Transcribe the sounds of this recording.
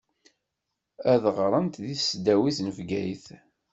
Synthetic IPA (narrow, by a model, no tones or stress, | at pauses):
æðʁɾˤənt̪ðiθsd̪æwiθnvɡæjθ